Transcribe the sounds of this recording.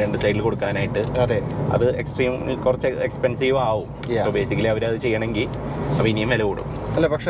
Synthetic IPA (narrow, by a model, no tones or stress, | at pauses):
ɾeɳɖɨsɐjʈːilko̞ɽukːaːnaːjiʈːɨɐðeɐ̰ðɨe̞ksʈriːmilkurɐt͡ɕːɨekspensiːʋaːʋum | pobe̞ːsikʲːɐlɐʋɐɾɐðɨt͡ɕe̞jːɐɳeŋɡil | ɐpːɐinːijɐmʋɐlɐkoɽṵkːuɐlːepɐkʂe